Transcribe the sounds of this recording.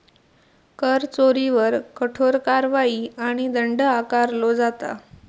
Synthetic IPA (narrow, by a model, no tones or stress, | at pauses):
kəɾt͡soɾiʋəɾkəʈʰoɾkaɾʋaiːaɽ̃id̪əɳɖəakaɾlod͡zat̪a̰